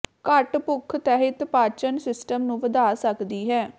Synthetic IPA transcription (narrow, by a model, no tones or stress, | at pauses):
kəʈpʊkʰːt̪ɛːɦɪt̪paːt͡ʃənsɪsʈəmnũːʋəd̪aːsəkd̪iːɦɛː